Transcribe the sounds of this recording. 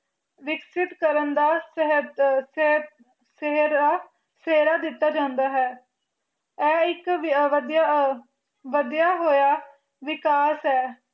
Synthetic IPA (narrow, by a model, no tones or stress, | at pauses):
ʋɪksɪt̪kəɾənd̪aːsɦət̪ | seɾaː | seːɾaːd̪ɪt̪ːaːd͡ʒãːnd̪aːɦɛː | ɛːɪkəd̪ja | ʋəd̪jaːɦoːjaː | ʋɪkaːsɦɛː